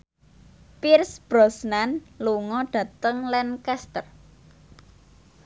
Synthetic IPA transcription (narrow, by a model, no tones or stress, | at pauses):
pirsb̥ɾɔsnanluŋɔɖ̥ä̤t̪əŋlɛnkɛst̪ər